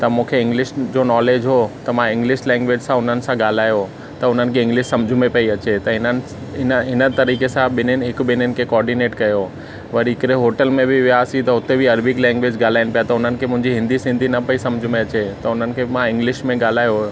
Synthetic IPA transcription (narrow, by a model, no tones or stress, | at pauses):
t̪ɐmũːkʰeɪ̃ŋɡlɪʃd͡ʑonɔːleːd͡ʑɦot̪ɐmãɪ̃ŋɡlɪʃlɛ̃ːŋɡʋeːd͡ʑsãʊn̤ənɪ̆sãɡaːl̤aːjo | t̪ɐʊn̤ənɪ̆kʰeɪ̃ŋɡlɪʃsɐmd͡ʑʱumepɐiɐt͡ɕet̪ɐɦɪnən | ɪnəɦɪnət̪ɐɾiːkesãbɪnʊnɪɦɪkbɪnʊnɪ̆kʰekɔːɾɖineːʈkɐjo | ʋɐɾiɪkɾeɦoːʈəlmẽbʱɪʋɪjaːsit̪ɐʊt̪ebʱɪɐɾbɪklɛ̃ːŋɡʋeːd͡ʑɡaːl̤aːɪnɪpijat̪ɐʊn̤ənɪ̆kʰemʊ̃ɦɪ̃ɲd͡ʑiɦɪ̃nd̪ʱisɪ̃nd̪ʱinɐpɐisɐmd͡ʑʱumẽɐt͡ɕet̪ɐʊn̤ənɪ̆kʰemãɪ̃ŋɡlɪʃmẽɡaːl̤aːjoɦo